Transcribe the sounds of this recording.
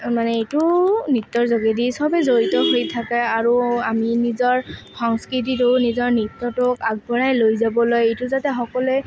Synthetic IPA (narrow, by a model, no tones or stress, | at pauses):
manɛejtʊnit̪ːɔɹzoɡedisɔbɛzoɹitɔɦojtʰakaaɹuaminizɔɹxɔŋskɹit̬itʊnizɔɹnit̪ːɔtʊkaɡ̚bʱɔɹajlojzabɔlojejtʊzatɛxɔkɔlɛ